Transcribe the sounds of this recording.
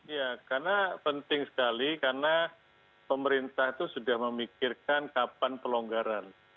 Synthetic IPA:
ijakarnapənt̪ɪŋsə̥kalikarna | pəməɾint̪aht̪usudahməmikɪrkankapanpəloŋɡaɾan

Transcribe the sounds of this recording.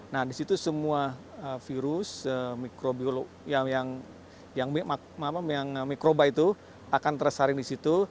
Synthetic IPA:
nahdisit̪usəmuaəfiɾʊsəmikɾobiolo | jajaŋ | jaŋmima | mapajaŋmikɾobait̪u | akant̪ərsaɾɪŋdisit̪u

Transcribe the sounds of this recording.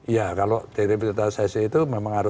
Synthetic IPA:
jakalod̪̥eɾipərt̪asɛsiit̪umemaŋaɾʊ

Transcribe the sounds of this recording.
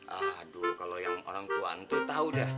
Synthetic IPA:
ʔahdukalojaŋo̰ɾaŋt̪ua̰nt̪ut̪audah

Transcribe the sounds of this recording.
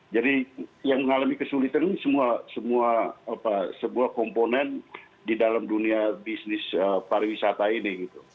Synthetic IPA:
d͡ʒadijaŋməŋalamikəsulit̪ansəmuasəmuaːpasəmuakɔmponɛn | didalamduniabisnɪsəpaɾawisat̪ainiɡit̪u

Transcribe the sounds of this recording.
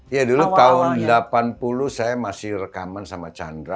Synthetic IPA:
jaduluaʊndəlapanpuluhsajamasɪhrəkamansamat͡ʃa̰ndɾa

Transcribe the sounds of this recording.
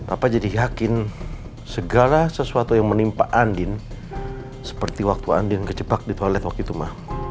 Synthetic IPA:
papad͡ʒadijakɪn | səɡalasəsuat̪ujaŋmənimpaʔandɪn | sə̥pərt̪iwak̚t̪ua̰ndɪnkət͡ʃəbak̚dit̪olɛt̪wak̚t̪ut̪umah

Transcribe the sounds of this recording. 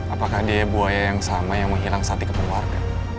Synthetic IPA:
ʔapakahdiabuajajaŋsamajaŋməŋɦilaŋsat̪ikəpəŋuarɡa̰

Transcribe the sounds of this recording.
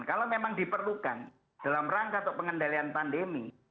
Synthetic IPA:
nkalomemaŋdipərlukan | d̥alamraŋkat̪ɔpəŋəndalianpandemi

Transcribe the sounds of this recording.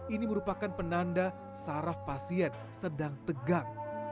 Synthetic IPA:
iniməɾupakanpənanda | saɾafpasiɛn | sədaŋt̪əɡaŋ

